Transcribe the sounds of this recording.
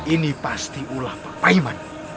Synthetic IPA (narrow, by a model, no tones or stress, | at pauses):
inipast̪iʔulahpapaiman